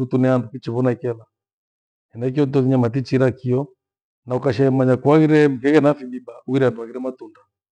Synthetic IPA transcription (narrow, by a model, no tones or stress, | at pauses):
utunɛandukit͡ʃiβɔnaikɛða | ɛnak̬iɔt̬ɔðiɲamatit͡ʃiɾakiɔ | naɔkaʃɛɛmaɲakwaɣiɾɛmkɛɣɛnafimibauiɾandwaɣiɾɛmatunda